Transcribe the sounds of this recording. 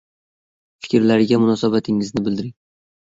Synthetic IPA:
fɪ̥kʲɾlaɾɪɡʲamʊnɒsabat̪ʰɪŋɪznɪbɪld̪ɪɾɪŋ

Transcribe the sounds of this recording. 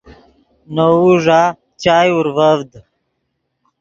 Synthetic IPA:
nouʐaː | t͡ɕaːjuɾvəvd̪

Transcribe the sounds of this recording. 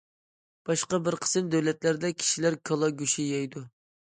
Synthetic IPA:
b̥ɑʃqɑbɪɾqʰə̥sɨmd̪æwlɛt̪læɾd̪ɛkʲʰi̥ʃilæɾkʰɑlˠɑɡʲyʃijɑjd̪u

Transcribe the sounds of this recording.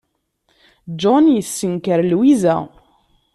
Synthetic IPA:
d͡ʒɔnjəsːəŋkəɾlwizæ̰

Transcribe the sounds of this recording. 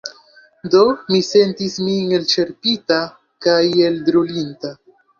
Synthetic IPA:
do̞mise̞ntismiŋelt͡ʃe̞ɾpita | kaje̞ldɾulinta

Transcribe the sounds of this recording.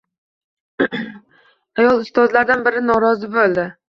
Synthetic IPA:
ajɒlˠʊst̪ɒzlaɾd̪anbɪɾɪnɒɾɒzɪbolˠd̪ɪ

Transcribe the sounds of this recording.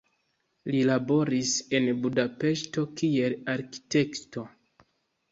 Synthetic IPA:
lilabo̞ɾise̞nbudape̞ʃto̞kie̞laɾki̥te̞kto̞

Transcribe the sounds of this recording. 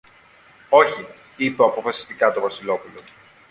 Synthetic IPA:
o̞çi | ipeɐpo̞fɐsi̥st̪ikɐt̪o̞vɐsilo̞pulo̞

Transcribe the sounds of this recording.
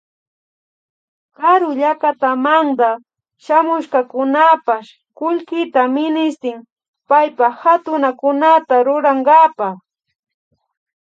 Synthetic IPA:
kaɾʊʎakat̪amand̪a | ʃamʊʃkakʊnapaʃ | kʊʎkɪt̪amɪnɪst̪ɪm | pajpahat̪ʊnakʊnat̪aɾʊɾaŋɡapaχ

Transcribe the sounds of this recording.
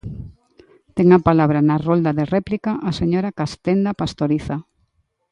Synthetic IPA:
t̪ɛŋapalaβ̞ɾanarold̪aðerɛplikaʔaseɲoɾakast̪end̪apast̪oɾiθa

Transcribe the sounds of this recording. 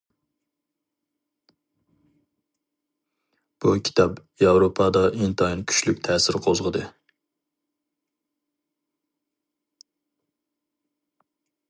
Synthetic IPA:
b̥ukʲʰi̥t̪ʰɑpjɑwɾopʰɑd̪ɑʔint̪ʰɑinkʲʰy̥ʃlykʲt̪ʰɛːsɪɾqʰozʁəd̪ɨ

